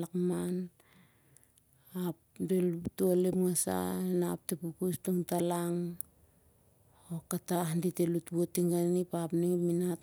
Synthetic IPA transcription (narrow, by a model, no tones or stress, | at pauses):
lakman | apdelutuolepŋasa̰enap̚tepukustuŋtalaŋ | okataɦnditelutbotiŋɡanipapniŋipminat